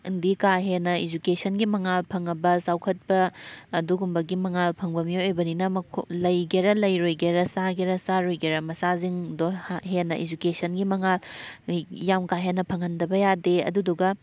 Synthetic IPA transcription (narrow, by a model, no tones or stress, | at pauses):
ndikaɦenɐid͡ʒukesʰɐnɡimɐŋalpʰɐŋːɐbɐsawkʰɐt̚bɐːduɡumbɐɡimɐŋalpʰɐŋbɐmijojojbɐninɐmɐkʰo̰lɐjɡeɾɐlɐjɾojɡeɾɐsaɡeɾɐsaɾojɡeɾɐmɐsaziŋdohɦenɐʔid͡ʒukesɐnɡimɐŋal | jamkaɦenɐpʰɐŋɐndɐbɐjadeɐ̰duduɡɐ